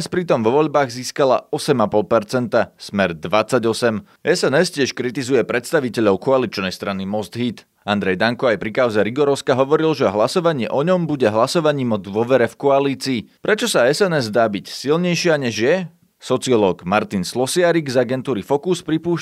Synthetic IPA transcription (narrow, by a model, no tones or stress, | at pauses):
spɾit̪ɔmʋɔʋɔʎbaːɣziːskala̰ɔsɛmapɔlˠpɛɾt͡sɛnt̪asmɛɾd̪ʋat͡sːaɟɔsɛm | ɛsɛnɛscɪɛʃkɾit̪izujɛpɾɛt̪st̪aʋicɛʎɔʊkɔalit͡ʃnɛjst̪ɾanimɔzd̪ɦit̪ | and̪ɾɛjd̪aŋkɔajpɾikaʊzɛɾiɡɔɾɔʊskaɦɔʋɔɾilʒɛɦlasɔʋaɲɪɛʔɔɲɔmbuɟɛɦlasɔʋaɲiːmɔd̪ʋɔʋɛɾɛfkɔaliːt͡siːpɾɛt͡ʃɔsaɛsɛnɛzd̪aːbicsilɲɛjʃɪaɲɛʒjɛ | sɔt͡siɔlɔːɡmaɾt̪inslɔsɪaɾiɡzaɡɛnt̪uːɾifɔkuspɾipuːʃ